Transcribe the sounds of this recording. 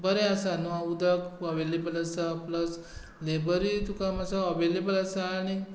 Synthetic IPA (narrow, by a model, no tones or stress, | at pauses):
bəɾeasanuaud̪akəʋelebəlɐsaplɐs | lebəɾit̪ukamasaəʋelebəlɐsani